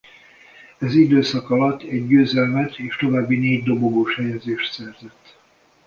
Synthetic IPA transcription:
ɛzid̪øːsɒkɒlɒt̪ʰːɛɟːøːzɛlmɛt̪ʰeːʃt̪o̞vaːbːineːɟd̪o̞boɡoːʃhɛjɛzeːʃt̪sɛrzɛt̪ː

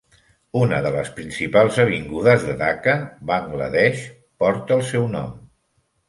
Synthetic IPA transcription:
unəðələspɾinsipalˠzəβ̞iŋɡuðəzðəðakəβaŋɡlə̰ðɛʃ | pɔɾt̪əːlˠsɛwnɔ̰m

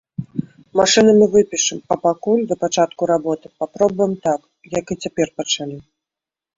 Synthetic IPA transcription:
maʂɨnɨmɨvɨpʲiʂɨmɐpakulʲd̪ɐpat͡ʂat̪kuɾabɔt̪ɨpapɾɔbujɛmt̪ak | jakɨt͡sʲapʲɛrpɐt͡ʂalʲi

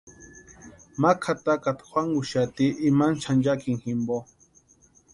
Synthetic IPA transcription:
makʰat̪akat̪xʷwaŋuʃat̪iʔːmant͡ʃʰand͡ʒakiŋximbo

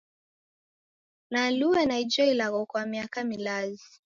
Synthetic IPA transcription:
naluɛnaid͡ʒɔilaɣɔkwamiakamilazi

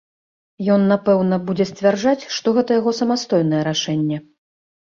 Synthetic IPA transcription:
jɔnːapɛwnɐbud͡zʲɛsʲt͡sʲvʲard͡ʐat͡sʲʂt̪ɔɣɛt̪ɐjaɣɔsɐmast̪ɔjnɐjɛɾaʂɛnʲːɛ

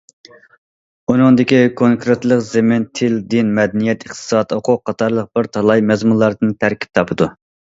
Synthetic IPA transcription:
unɨŋd̪ɪkʲikʰoŋkɾet̪lˠəqzemɪnt̪ʰɪld̪inmɛd̪ɛnijɛt̪ʰəχt̪ʰɨ̥sɑːd̪oqʰʊqʰːɑt̪ʰɑɾlˠəq̚b̥ɪɾt̪ʰɑlˠɑjmɛzmunlˠɑɾd̪ɨnt̪ʰæɾkʲi̥p̚t̪ʰɑpʰɨd̪u

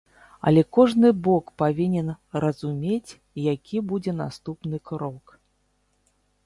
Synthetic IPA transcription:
ɐ̰lʲɛkɔʐnɨbɔkpavʲinʲɛnrɐzumʲet͡sʲ | jakʲibud͡zʲɛnast̪upnɨkɾɔk

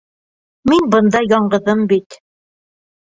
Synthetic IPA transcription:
minbɤnd̪ɑjɑɴɢɤ̆ðɤmbit̪

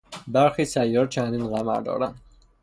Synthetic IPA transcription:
bæɾxisæjːɒːɾt͡ʃʰænd̪inɣæmæ̰ɾd̪ɒ̰ːɾænd̪

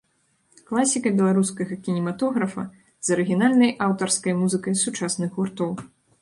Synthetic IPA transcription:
klˠasʲikɐbʲɛlˠaɾuskɐɣɐkʲinʲɛmat̪ɔɣɾɐfɐ | zɐɾɨɣʲinalʲnɐjʔawt̪ɐrskɐjmuzɨkɐjsut͡ʂasnɨxɣurt̪ɔw

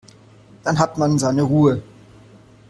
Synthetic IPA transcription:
d̥anɦatmanzaɪnəʁuːə

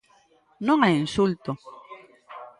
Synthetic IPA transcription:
noŋajinsult̪o

